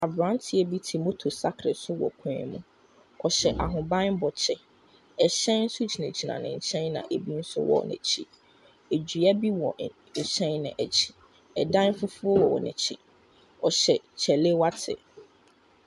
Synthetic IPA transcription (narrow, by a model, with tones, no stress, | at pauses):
a˨bɾã˨˦tʰɪ˨ɛ˨bi˦tʰi˨mo˦tʰo˨sa˦kʰɾɪ˨sʊ˦wɔ̰˨kʷʰɛ̃˦ɛ̰˦˨mũ˦ | ɔ˨ɕɛ˨ʔa˨ɦʊ̃˨bã˦n˦bɔ˨t͡ɕʰɛ˦ | ɛ˨ɕɛ̃˦n̩˦sʊ˦d͡ʑi˨næ̃˨d͡ʑi˨nã̰˨nɪ̰̃˨ɲ̩˨t͡ɕʰɛ̃˦nnã̰˨ʔe˨bi˦n̩˦sʊ̰˦wɔ̰˨nɛ̰̃˨t͡ɕʰi˦ | e˨d͡ʑɥa˦bi˦wɔ˨ | ɲ̩˨t͡ɕʰɛ̃˦nnɪ̰̃˨ʔæ˨t͡ɕʰi̥˨ | ɛ˨dã˦n˦fʊ˦fu˦ɔ˦wɔ˨wɔ̰˨nɛ̰̃˨t͡ɕʰi˦ | ɔ˨ɕɛ˨t͡ɕʰɛ˨le˦wa˦tʰɪ̰˨